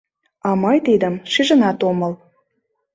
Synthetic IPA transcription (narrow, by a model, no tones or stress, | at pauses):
ɑmɤjt̪id̪əmʃiʒə̆nɑt̪oməl